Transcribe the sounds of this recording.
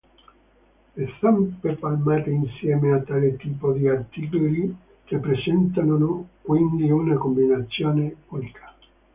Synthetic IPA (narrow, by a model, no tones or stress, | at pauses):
esampepalmaːt̪einsjɛːmeat̪ːaːlet̪iːpod̪iart̪ikoli | kepːɾesɛnt̪annokwind̪iunakombinat̪sːjoːneulikʰḁ